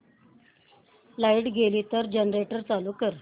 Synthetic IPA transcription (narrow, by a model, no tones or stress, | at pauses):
laiʈɡʱeliːt̪əɾd͡ʑənɾeʈəɾt͡saluːkəɾ